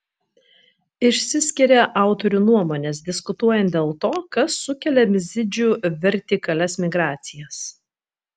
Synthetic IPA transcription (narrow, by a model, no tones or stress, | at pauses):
ɪʃʲsʲɪsʲkʲɪɾʲɛʔɑˑʊt̪ɔɾʲuːnuɔmoːnʲeːs̬d̪ʲɪskʊt̪uɔjɛnt̪d̪ʲeːlˠt̪oːkɐsːʊkʲɛlʲɛmʲɪzʲɪd͡ʒʲuːʋʲɛɾʲt̪ʲɪkɐlʲɛsmʲɪɡɾɑːt̪sʲɪjɛs